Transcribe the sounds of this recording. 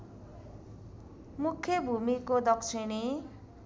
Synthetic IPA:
mukʰːjʌbʱumikod̪ʌkt͡sʰine

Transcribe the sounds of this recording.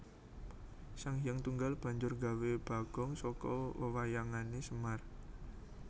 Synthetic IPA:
saŋjəŋt̪uŋɡalb̥ä̤ɲd͡ʒʊrɡa̤web̥a̤ɡ̥ɔŋsɔkɔwəwajaŋanesəmar

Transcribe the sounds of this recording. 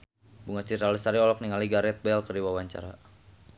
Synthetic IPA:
buŋat͡ʃirɾaləsaɾiɔlɔk̚niŋaliɡaɾɛt̪̚bɛlkərdiwawaɲt͡ʃa̰ɾa

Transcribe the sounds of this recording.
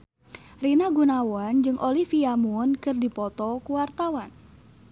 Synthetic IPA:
rinaɡunawand͡ʒɨŋʔolifiamunkɨrdipɔt̪ɔkuwart̪awan

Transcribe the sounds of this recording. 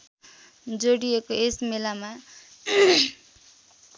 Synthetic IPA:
d͡zoɽiekoesmelama

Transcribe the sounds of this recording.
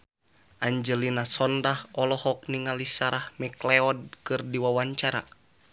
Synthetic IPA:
ʔaɲd͡ʒəlinasɔndahɔlɔhɔk̚niŋalisaɾahmɛklɛɔd̚kɨrdiwawaɲt͡ʃaɾa̰

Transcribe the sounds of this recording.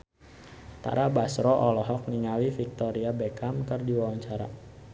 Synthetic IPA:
t̪a̰ɾabasɾɔʔɔlɔɦɔk̚niŋawifik̚t̪ɔɾiabekamkərdiwawaɲt͡ʃaɾa̰

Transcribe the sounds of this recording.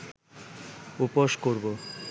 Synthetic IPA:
upoʃkoɾbo

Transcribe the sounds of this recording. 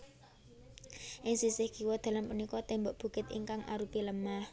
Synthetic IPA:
ʔɪŋsisɪhɡ̥iwɔd̪̥ä̤lampunikɔt̪ɛmbɔʔb̥ṳkɪt̪ḭŋkaŋʔa̰ɾupiləmah

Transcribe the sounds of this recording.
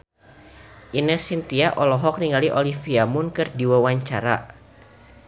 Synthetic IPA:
ʔinɛsint̪iaʔɔlɔɦɔk̚niŋɡaliʔɔlifiamʊnkɨrdiwawaɲt͡ʃaɾa

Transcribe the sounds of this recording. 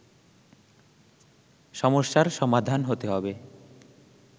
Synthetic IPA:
ʃɔmoʃːaɾʃɔmad̪ʱanɦot̪eɦɔbe

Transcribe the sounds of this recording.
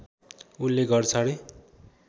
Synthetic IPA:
ulːeɡʌrt͡sʰʌɽe

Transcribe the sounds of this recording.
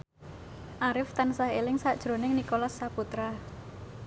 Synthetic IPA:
ʔaɾɪft̪ansaɦelɪŋsaʔd̥ʒ̥ɾo̤nɪŋnikolasːaput̪ɾa

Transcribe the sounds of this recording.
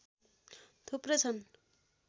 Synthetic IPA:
t̪ʰuprʌt͡sʰʌn

